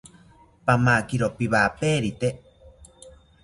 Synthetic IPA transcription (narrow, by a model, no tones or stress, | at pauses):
pamaːkiɾopiβaːpeːɾit̪e